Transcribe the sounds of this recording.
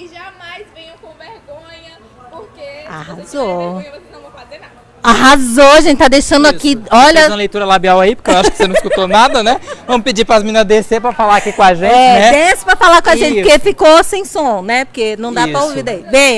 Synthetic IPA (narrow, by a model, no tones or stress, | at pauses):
ʒamajzvẽjʊkõvehõɲɐ | pokeahazoɐ̃fae | aɦazoaʒẽnt͡ʃɪt̪ad̪ejʃɐ̃nd̪ʊakiɔʎɐzũmɐlejt̪uɾɐlabiawaipʊɾkewaʃʊkɪsenɐ̃fi̥kut̪onad̪ɐnɛvɐ̃mʊpid͡ʒipɾɐzmĩnɐzd̪esepɾɐfalaɾakikõaʒẽt͡ʃɛnɛd̪ɛsɪ̥pɾɐfalakõaʒẽnt͡ʃɪkefikosẽj̃sõnɛpo̥kenɐ̃w̃d̪apɾɐowvid̪aibẽj̃